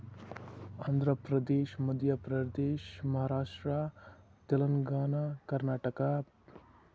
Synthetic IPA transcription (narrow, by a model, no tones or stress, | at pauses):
aːnd̪ʱɾɐpɾɐd̪eːʃmɐd̪ʱjɐpɾɐd̪eːʃmɐɦaːɾaːʂʈɾat̪ɐlɐŋɡaːnakɐɾnaːʈɐka